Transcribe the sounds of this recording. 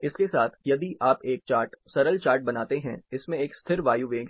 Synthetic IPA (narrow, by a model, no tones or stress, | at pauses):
ɪskesaːt̪ʰjɐd̪iʔʔaːpeːk̚t͡ʃaːɾʈsɐɾəlt͡ʃaːɾʈ̚bɐnaːt̪eɦɛ̰̃ɪsmẽeːkst̪ʰɪɾʋaːjuʋẽːɡ